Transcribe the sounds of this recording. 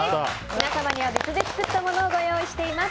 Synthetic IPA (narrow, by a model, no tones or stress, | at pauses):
mʲinasamaɲ̟iβ̞abet͡sɨd̪eki̥t͡sɨt̪ːamo̞no̞ːɡo̞jo̞ːiɕi̥t̪e̞imas